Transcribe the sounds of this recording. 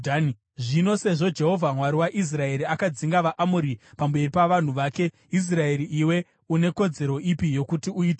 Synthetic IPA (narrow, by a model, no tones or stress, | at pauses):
ʐino̞se̞ʐo̞d͡ʒe̞ɦo̞vʱamwaɾiwaʔis̬rae̞ɾiakad͡ziŋɡaʋaʔamuɾipambe̞ripaʋan̤uʋaːke̞ | is̬rae̞ɾiʔiwe̞ | une̞ko̞d͡ze̞ɾo̞ʔipijo̞kutiuiːte